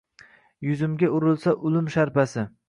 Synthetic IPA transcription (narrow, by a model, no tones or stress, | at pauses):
jʊzɪmɡʲaʊɾɪlˠsaʔʊlɪmʃaɾpasɪ